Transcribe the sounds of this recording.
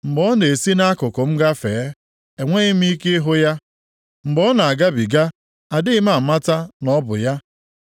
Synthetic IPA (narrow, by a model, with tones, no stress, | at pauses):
ŋ͡m̩˨ɡ͡bɔ˦ne˨si˦na˦a˦kʊ˨kʊ˨m̩˦ɡa˦fe˨˦ | e˨ŋʷe˦i˦m̩˦i˦ke˦ɦʊ˦ja˦ | ŋ͡m̩˨ɡ͡bɔ˦na˨a˨ɡa˦bi˨ɡa˦ | a˨dɪ˦ɪ˦ma˦˨ma˦ta˦nɔ˦bʊ̰˨ja˦